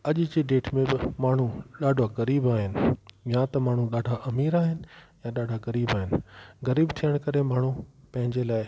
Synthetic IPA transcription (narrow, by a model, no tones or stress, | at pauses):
ɐʄd͡ʑeɖeːʈmẽbɪmaːɳ̤uɗaːɖʱaɣɐɾiːbaːɦɪnɪ̆jãt̪ɐmaːɳ̤uɗaːɖʱaʔɐmiːɾaːɦɪnɪ̆jãɗaːɖʱaɣɐɾiːbaːɦɪnɪɣɐɾiːbt̪ʰijəɽ̃kɐɾemaːɳ̤upɐ̃ɦɪ̃ɲd͡ʑelaːɪ